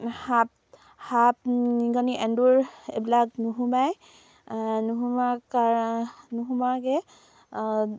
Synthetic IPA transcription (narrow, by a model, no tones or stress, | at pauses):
hap̚ | hap̚ɡɔniʔɛnduɹḛbilaknuɦumaj | nuɦumaanuɦumaɹkɛ